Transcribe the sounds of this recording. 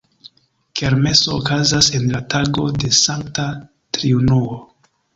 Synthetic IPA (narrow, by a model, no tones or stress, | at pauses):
kʰe̞ɾme̞so̞ːkazase̞nlataɡo̞de̞saŋkta | tɾiunuo